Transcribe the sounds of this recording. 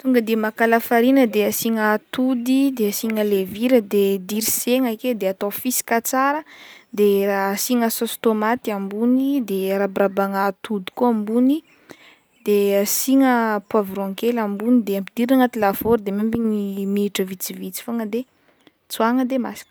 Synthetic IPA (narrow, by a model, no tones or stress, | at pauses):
t̪uŋɡəd̪imakalafaɾinəd̪easiŋat̪ud̪id̪easiŋəleviɾəd̪ed̪iɾiseŋaked̪eat̪ofisi̥kat͡saɾəd̪eraːsiŋəsost̪omat̪iambunid̪eɾabrabaŋat̪ud̪i̥kuambuni | d̪̥easiŋəpwavɾɔ̃ŋkelambunid̪eampid̪̥iɾaŋat̪ilavoɾd̪emembiɲimiʈ͡ʂəvit͡sivit͡si̥foŋəd̪e | t͡suaŋəd̪emasi̥k